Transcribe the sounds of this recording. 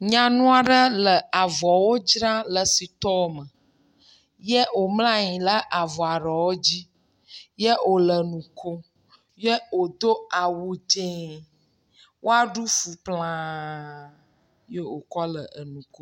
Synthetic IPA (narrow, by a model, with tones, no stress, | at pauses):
ɲã˨nũ˦a˨ɖə˦lə˨a˨vɔ˨wo˦d͡ʒɾã˦lə˨si˨t̪ɔ˦o˦˨˦mə˨ | je˦o˨mlã˦ɲĩ˨lə˦ʔa˨vɔ˨a˨ɖɔ˨wo˦d͡ʑi˦ | jə˦o˨lə˨nũ˨kʰo˦ | je˦o˨d̪o˦a˨wu˨d͡ʒe˦ | wʔo˦a˦ɖu˦fu˨plã˦ | je˦o˨kɔ˦lə˨ʔə˨nũ˨ko˦